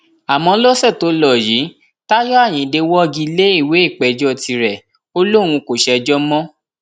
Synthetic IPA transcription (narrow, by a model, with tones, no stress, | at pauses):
a˨mɔ̃˧˦lɔ˦sɛ˦˨to˨˦lɔ˦˨ji˨˦ | ta˦jɔ˦a˦˨j̃ĩ˨de˧wɔ˦˧ɡi˧le˦i˦˨we˨˦i˦˨k͡pɛ˨d͡ʒɔ˦˨ti˧ɾɛ˨ | o˦lo˦˨w̃ũ˧ko˨ʃɛ˧d͡ʒɔ˦mɔ̃˦